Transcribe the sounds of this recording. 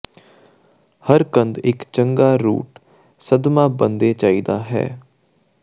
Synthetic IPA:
həɾkə̃nd̪ɪkt͡ʃəŋɡaːɾṵːʈ | səd̪mãːbənd̪eːt͡ʃaːiːd̪aːɦɛ̰ː

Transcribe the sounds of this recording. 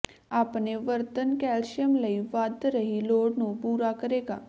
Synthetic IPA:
aːpneʋəɾt̪ənkɛːlʃjəmləiʋaːd̪ɾəɦiloːɽnũːpuːɾakəɾeːɡa̰ː

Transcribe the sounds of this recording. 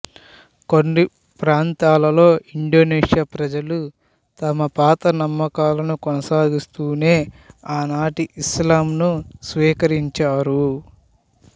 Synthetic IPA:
konːi | pɾaːnt̪aːlɐlo̞ːiɳɖo̞ːneːʂjaːpɾɐd͡ʒɐlu | t̪ɐmɐpaːt̪ɐnɐmːɐkaːlɐnukonɐsaːd̪ist̪uːne̞ː | aːnaːʈiʔislaːmnusʋiːkɐɾiɲt͡ʃaːɾu

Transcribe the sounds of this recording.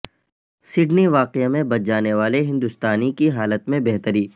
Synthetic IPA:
sɪɖniʋaːqemẽbɐt̪̚d͡ʒaːneʋaːleɦɪ̃nd̪ʊst̪aːnikiɦaːlət̪mẽbɛɦt̪əɾiː

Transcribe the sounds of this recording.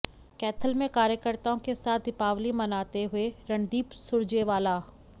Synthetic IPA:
kɛːt̪ʰəlmẽkaːɾjəkəɾt̪aõkesaːt̪̚d̪ɪpaːʋlimɐnaːt̪eɦʊeɾɐ̃ɳd̪iːpsʊɾd͡ʒeʋaːlaː

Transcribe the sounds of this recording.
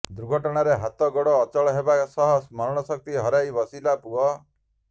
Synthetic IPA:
d̪uɾɡʱɔʈɔɽ̃aɾeɦat̪ɔɡɔɽɔːt͡ʃɔɭɔɦebasɔɦɔsmɔɾɔɽ̃ɔsɔk̚t̪iɦɔɾajbɔsilapuɔ

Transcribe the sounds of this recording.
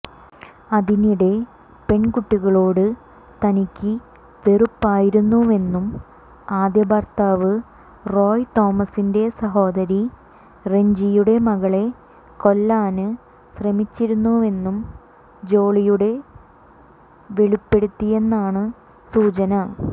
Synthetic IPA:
ɐðiniɽe̞ | pe̞ɳkuʈːiɣɐɭo̞ːɽɨ | t̪ɐnikʲːi | ʋe̞rupːaːjiɾunːue̞nːum | aːd̪jɐbɐrt̪aːʋɨ | ro̞ːjt̪o̞ːmɐsinde̞sɐɦo̞ːd̪ɐɾi | re̞ɲd͡ʑijuɽe̞mɐɣɐɭe̞ | ko̞lːaːnɨ | ɕrɐmit͡ɕːiɾunːue̞nːum | d͡ʑo̞ːɭijuɽe̞ | ʋe̞ɭipːe̞ɽut̪ːie̞nːaːɳɨ | suːt͡ɕɐnɐ

